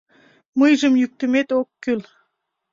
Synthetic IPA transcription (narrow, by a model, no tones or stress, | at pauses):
mɯjʒə̆mjyk̚t̪ə̆met̪okːyl